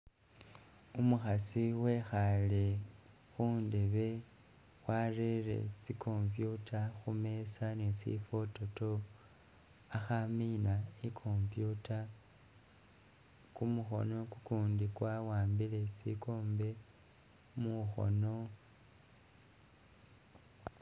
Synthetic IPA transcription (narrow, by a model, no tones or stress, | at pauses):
umuxasiwe̞xale | xuːndeβe̞ | xwarere̞̰t͡sikʰo̞ɱpjutʰaxume̞sanesḭfo̞to̞to̞ | axaminaekʰo̞mpjuta | kumuxo̞̰no̞kukuːndikwawaːmbile̞sḭkʰo̞ːmbe̞ | muxo̞̰no̞